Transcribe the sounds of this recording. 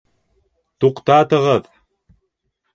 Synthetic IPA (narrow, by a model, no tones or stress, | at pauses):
t̪uqt̪aːt̪əʁəð